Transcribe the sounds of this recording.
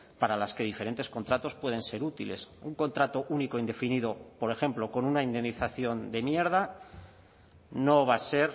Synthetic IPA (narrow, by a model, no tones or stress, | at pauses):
paɾalaske̞ð̞ife̞ɾe̞nt̪e̞sko̞nt̪ɾat̪o̞spwe̞ð̞e̞nse̞ɾut̪ile̞̰suŋko̞nt̪ɾat̪o̞ʔunikoind̪e̞finiðopo̞ɾe̞xe̞mplo̞ko̞nunaind̪e̞nːiθaθjo̞nd̪e̞mje̞ɾða | no̞βase̞ɾ